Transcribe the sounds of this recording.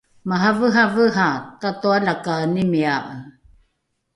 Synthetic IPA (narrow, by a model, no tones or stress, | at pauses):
maɦavəɦavəɦatatualakanimiaʔə